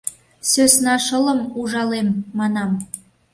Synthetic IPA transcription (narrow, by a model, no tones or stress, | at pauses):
søsnɑʃələmuʒɑlemːɑnɑm